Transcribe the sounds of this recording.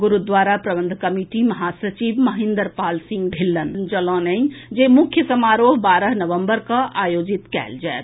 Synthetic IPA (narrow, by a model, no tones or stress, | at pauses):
ɡuɾud̪ʋaːɾapɾəbənd̪ʱkəmiʈimɐɦasət͡ʃibməɦĩnd̪əɾpaːlsĩŋɡd̪ʱilːənd͡ʒəlɔ̃nəɲd͡ʒemukʰjəsəmaɾoːɦbaɾəɦnəʋəmbəɾkəʔaːjod͡ʒit̪kɛ̰ːld͡ʒaet̪ʰ